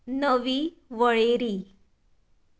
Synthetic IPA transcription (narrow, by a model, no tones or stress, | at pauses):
nəʋi | ʋəɭeɾiː